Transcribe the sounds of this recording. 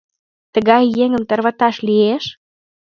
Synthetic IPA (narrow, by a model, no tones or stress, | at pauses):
t̪ə̆ɣɑjːeŋə̆mt̪ə̆rβə̆t̪ɑʃlieʃ